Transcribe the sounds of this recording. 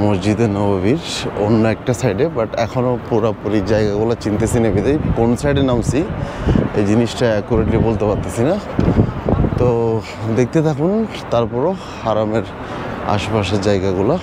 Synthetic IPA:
mosd͡ʑid̪enɔbaβiɾonːoɛk̚ʈasajɖebaʈɛ̰kʰonopuɾapoɾid͡ʑajɡaɡulat͡ɕint̪esinebid̪ajkonsajɖenamsi | ejd͡ʑiniʃʈakɔɾekʈlibolt̪epaɾt̪asʰina | t̪o | d̪ek̚t̪et̪ʰakun | t̪aɾpɔɾo | haɾameɾ | a̰ʃpaʃeɾd͡ʑajɡaɡula

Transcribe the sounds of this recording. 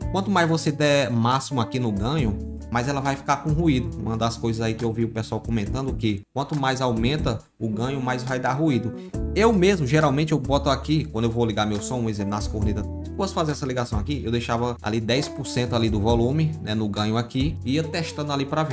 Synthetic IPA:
kwɐ̃nt̪ʊmajzvosed̪ɛmasimʊakinʊɡɐ̃ɲʊ | majzɛlɐvajfi̥kaɾkõɦuid̪ʊṵ̃ɐd̪ɐskojzɐzaikɪewviʊpesuawkõmẽnt̪ɐ̃nd̪ʊkɪwɐ̃nt̪ʊmajzawmẽnt̪ɐ | ʊɡɐ̃ɲʊmajzvajd̪aɦuid̪ʊ | ewmezmʊʒeɾawmẽnt͡ʃɪewbɔt̪ʊakikwɐ̃d̪ʊewvoliɡamewsõũezẽpʊnɐskoɾnit̪ɐsɪ̥posfazeɾɛsɐliɡasɐ̃w̃akiewd̪ejʃavɐa̰lid̪ɛjspʊɾsẽnt̪ʊalid̪ʊvɔlũmɪnɛnʊɡɐ̃ɲʊakiiɐt̪ɛʃt̪ɐ̃nd̪alipɾavi

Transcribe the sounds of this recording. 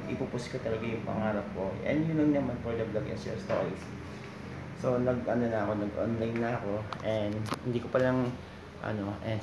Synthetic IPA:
ʔɪpupʊskɐt̪ɐlɐɡajʊŋpɐ̰ŋaːɾɐp̚ko̞ʔɛ̰nd̪jʊnlɐŋnɐmɐnpod̪ɐblɐɡɛ̰nsɛ̰st̪o̰ɾis | so̞nɐɡʔɐno̞nɐɐko̞nɐɡʔo̰nlajnːɐɐko̞ʔɛnd̪hɪnd̪iːkopɐlaŋ | ʔɐ̰no̞ʔɛ

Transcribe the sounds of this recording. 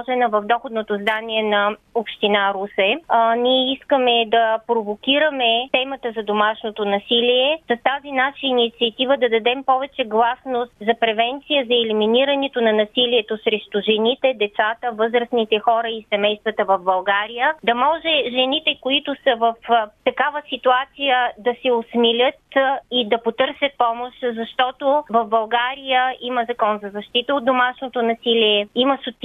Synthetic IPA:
ʒɛnəvɐvd̪ɔxod̪not̪ozd̪aniɛnɐopʃt̪inaɾusɛniɛiskəmɛd̪ɐpɾovokʲiɾəmɛt̪ɛmət̪əzɐd̪omaʃnot̪onɐsiliɛsɐt̪azinaʃəinit̪siət̪ivəd̪ɐd̪ɐd̪ɛmpɔvɛt͡ʃɛɡlˠasnost̪zɐpɾɛvɛnt̪sijəzɐɛliminiɾənɛt̪onɐnɐsiliɛt̪osɾɛʃt̪ʊʒɛnit̪ɛd̪ɛt̪sat̪əvɤzɾəsnit̪ɛxɔɾəisɛmɛjst̪vət̪əvɐvbɐlˠɡaɾijəd̪ɐmɔʒɛʒɛnit̪ɛkoit̪ʊsəvɐft̪ɐkavəsit̪uat̪sijəd̪ɐsɛosmilʲət̪id̪ɐpot̪ɤɾsʲət̪̚pɔmoʃzɐʃt̪ɔt̪ovɐfbɐlˠɡaɾijəiməzɐkɔnzɐzɐʃt̪it̪əot̪d̪omaʃnot̪onɐsiliɛimɐsʊt̪

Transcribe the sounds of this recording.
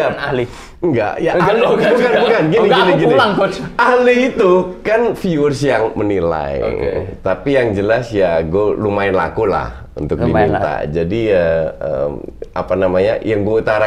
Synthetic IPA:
ali | ŋɡa̰ʔjaʔaloukanbukanɡiniɡiniɡiniaŋahliːt̪ukanfiursjaŋmənila̰j̰t̪apijaŋd͡ʒəlasjaɡolumaɪnla̰kula̰h | ṵnt̪ʊkdiit̪a̰d͡ʒadiəə̰ma̰panamaɲajaŋɡuaut̪aɾa

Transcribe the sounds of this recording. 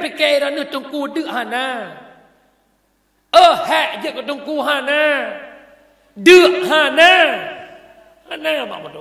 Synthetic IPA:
pakeɾanɯət̪oŋkuːdɯəʔ̚haːnãː | ʔəːhɛʔjɯəkːɔt̪oŋkuːɦaːnãː | dɯəʔ̚haːnãː | haːnãːba̰bɔt

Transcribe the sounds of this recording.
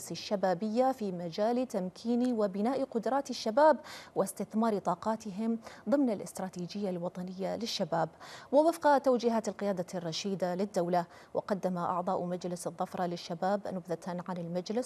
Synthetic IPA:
sɪʃːabaːbɪjːafiːmad͡ʒaːlt̪amkʰiːniwɪbɪnaːʔqʊd̪ɾˤɑːt̪ɪʃːabaːbwɪst̪ɪθmɑːɾt̪ˤɑːqɑːt̪ɪɦɪmðˤɨmnalʔɪ̰st̪ɾˤɑːt̪iːd͡ʒɪjːalwɑt̪ˤɑnɪjːalɪʃːabaːbwɪwɪfqɑt̪awd͡ʒɪɦaːt̪ɪlqɪjaːd̪arˤːɑʃiːd̪alɪd̪ːawla | wʔɪ̰qɑd̪ːamaʔɑ̰ʕd̪ˤɑːʔmad͡ʒlɪsɨðˤːɑfɾˤɑlɪʃːabaːbnʊbðat̪ʰanʕanɪlmad͡ʒlɪs

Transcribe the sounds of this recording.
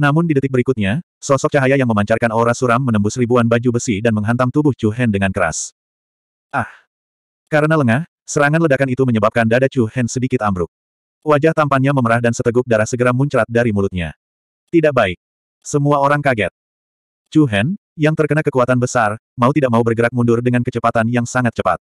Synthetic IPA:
namʊndidət̪ɪk̚bəɾikut̪̚ɲa | sɔsɔk̚t͡ʃaɦajajaŋməmaɲt͡ʃarkanoɾasuɾamːənəmbʊsribuanbad͡ʒubəsidanməŋɦant̪aŋt̪ubʊht͡ʃuɦɛndəŋankəɾa̰s | ʔah | kaɾənaləŋah | səɾaŋanlədakanit̪uməɲəbap̚kandadat͡ʃuhɛnsədikɪt̪ambɾʊk̚ | wad͡ʒaht̪ampanɲaməməɾahdansət̪əɡʊk̚daɾahsəɡəɾamuɲt͡ʃɾat̪̚daɾimulʊt̪̚ɲa̰ | t̪idaʔ̚baɪk̚ | səmuaoɾaŋkaɡɛt̪̚ | t͡ʃuɦɛn | jaŋt̪ərkənakəkuat̪anbəsarmaut̪idaʔ̚maubərɡəɾak̚mundʊrdəŋankət͡ʃəpat̪anjaŋsaŋat̪̚t͡ʃəpa̰t̪̚

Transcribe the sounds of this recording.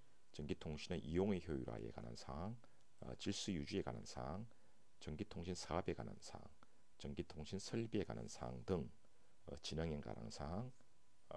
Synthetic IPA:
t͡ɕʌŋɡitʰoŋɕʰinɯnʔijoŋeçjoiɾoa̰jḛka̰na̰nsʰaŋ̰ | t͡ɕiɭs͈ujud͡ʑie̞kana̰nsʰaŋ | t͡ɕʌŋɡitʰoŋɕʰinsʰaabe̞kanɯ̰nsʰa̰ŋ | t͡ɕʌŋɡitʰoŋɕʰinsʰʌɭbie̞ka̰nɯ̰nsʰaŋdɯŋ | ʌt͡ɕinaŋenɡa̰nʔa̰nsʰaŋ

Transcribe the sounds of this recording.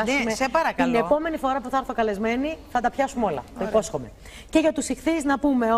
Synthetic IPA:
umesepɐɾɐk̪ilnepo̞me̞nifo̞ɾɐpuθɐɐɾθo̞kɐle̞zme̞niθɐt̪ɐpçɐsumo̞lɐ̰t̪ɐipo̞sxo̞me | ce̞ʝɐt̪usixθiznɐpume̞o

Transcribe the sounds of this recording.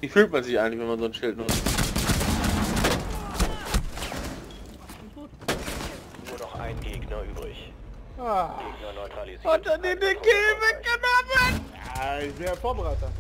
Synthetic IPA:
viːfyːltmanzɪçaɪɡŋtlɪçvɛnmanzoːnʃɪltnʊt͡st | nuːɐdɔχʔa̰ɪnɡeːɡnɐʔyːbʁɪ̰ç | jaɡeːɡnɐnɔʏtʁ̥alizɔdandidiɡevɛɡ̥ənɔmənaveːəfɔmʁatɐ

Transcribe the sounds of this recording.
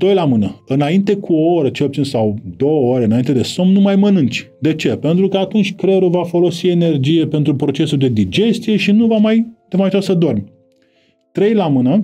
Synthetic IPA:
d̪̥o̞jlamɨnəɨnaint̪e̞kʰuooɾət͡ʃelpt͡ʃinsawd̪o̞wəoɾeɨnaint̪e̞d̪e̞somnumajmənɨnt͡ʃʲ | d̪e̞t͡ʃe̞pe̞nt̪ɾukəat̪unt͡ʃʲkɾeɾuvafo̞lo̞sie̞ne̞rd͡ʒije̞pe̞nt̪ɾupɾo̞t͡ʃe̞suld̪e̞d̪id͡ʒe̞st̪ije̞ʃinuvamajd̪emaaut̪asəd̪o̞rmʲ | t̪ɾe̞jlamɨnə

